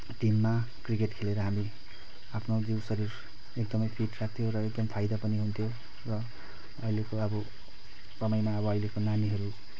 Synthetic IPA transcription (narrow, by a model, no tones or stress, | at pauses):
ʈimːa | krikeʈkʰeleɾʌɦami | apʰnod͡ziwsʌɾir | ek̚d̪ʌmʌjpʰiʈsat̪ʰjoɾʌek̚d̪ʌmpʰajd̪ʌpʌniɦunt̪ʰjo | rʌ | ʌjlekoʌbʌ | sʌmʌjmaʌbʌʌjlekonaniɦʌɾu